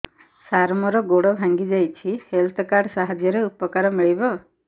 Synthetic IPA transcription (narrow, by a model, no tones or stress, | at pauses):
saɾmɔɾɔɡoɽɔbʱãŋɡid͡ʒajt͡ʃʰihelt̪ʰɔkaɾɖsaɦɔd͡ʒjɔɾeupɔkaɾɔmiɭibɔ